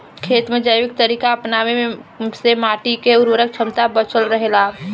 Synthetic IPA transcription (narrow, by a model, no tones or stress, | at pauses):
kʰeːt̪mẽd͡ʒəjʋɪk̚t̪əɾiːkaɐpnaːʋeẽsemaːʈikeʊɾʋəɾək̚t͡ʃʰəmt̪abət͡ʃəlɾəɦelaː